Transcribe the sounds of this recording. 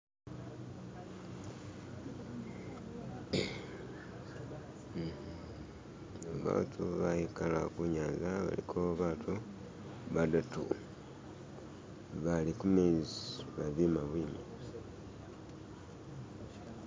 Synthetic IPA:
aβa̰ːtʰuβajikalakuɲaːzaβa̰lḭkʰoβaːtʰu | βadatṵ | βalikumeziβaβimaβwiːni

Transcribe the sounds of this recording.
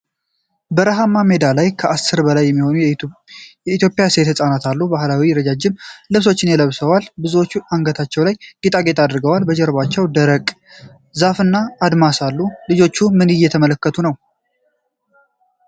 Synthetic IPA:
bəɾəɦamːame̞d̪alajkʰəʔasːɨɾbəlajːɛmːiho̞nu | jɛit̪jo̞pʼɪjase̞t̪sʼanat̪ʰalːubahlawiɾəd͡ʒad͡ʒɪmlɨβs̬o̞t͡ʃːɪnjɛləβsəwalbɨzuwo̞t͡ʃːuʔaŋɡət̪ʰat͡ʃːɛwlajɡit̪ʼaɡe̞t̪ʰad̪ɨɾɡəwalbəd͡ʒɛɾbat͡ʃːɛwd̪əɾəkʼ | zafɨnːaːd̪masalːulɨd͡ʒo̞t͡ʃːumɨnɨjːɛt̪ʰəmələkːət̪ʰunəw

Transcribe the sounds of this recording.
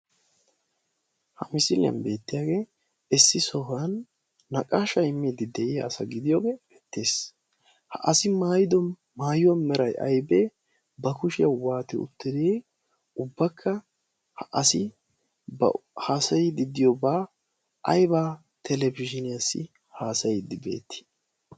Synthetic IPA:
hɐmɪsɪljɐ̰nbe̞ːt̪ːɪjaːɡe̞ː | ɪsːɪsɔɦɐnː | ɐkʼaʃɐjmːid̪ɪd̪ɛʔɪjɐːsɐɡɪd̪ɪjoːɡeːbɛt̪ːeːs | hɐʔɐsɪmaːjɪd̪ɔ | maːjɪwɐnmɛɾɐjʔɐ̰jbe | bɐkʊʃɪjɐwaːt̪ɛ̰ʊ̰t̪ːɪd̪eː | ʊbːɐkʰːɐ | hɐʔɐsɪ | bɐ̰haːsɐjɪd̪ɪd̪ɪjobaː | ʔɐjbaː | t̪ʰɛlɛbɪʃɪnɪjasːɪ̰ | haːsɐjd̪ɪbe̞̰ːt̪ːɪ̥

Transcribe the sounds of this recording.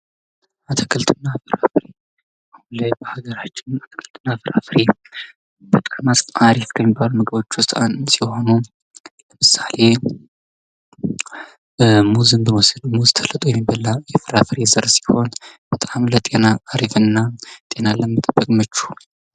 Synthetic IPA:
at̪ʰə̥kʰəlt̪ʰɨnːafɨɾa̰fɾe | ahnləbəhaɡəɾat͡ʃːɪnat̪ʰə̥kʰəlt̪ʰʼɨnːafɨɾafɨɾe | bət̪ʼkʰənasʼaɾifkʰəmːibːalumɨɡɨbo̞t͡ʃːwʊst̪ʼansiwhonu | ləmɨsale̞ | muzɨnbəməsɨlmuzt̪ʰələt̪ʼujɛmːibəlːajɛfɨɾafɨɾe̞zəɾsi̥ho̞nb̥ət̪ʼamlət̪ʼe̞naaɾifɨnːat̪ʼe̞naləmːət̪ʼəbːəkʼmət͡ʃːu̥

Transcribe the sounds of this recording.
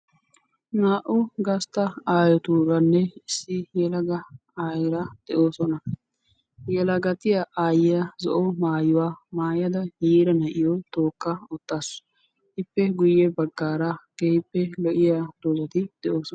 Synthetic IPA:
naːʔʊɡɐst̪ɐaːjɔt̪uɾɐnːɛɪsːɪjɛlɐɡɐ | aːjɪɾɐd̪̥ɛʔo̞ːsɔnɐ | jɛlɐɡɐt̪ɪjɐʔaːjɪjɐzɔ̰ʔɔmaːjʊwaːmaːjɐd̪ɐjiːɾɐnɐʔɪjɔt̪o̞ːkːɐɔt̪ːaːs | ʔɪpːɛɡʊjːɛbɐɡːaːɾaɡ̥ejpːɛlɔʔɪjad̪̥oːzɐt̪ɪd̪̥ɛʔoːsɔɐ

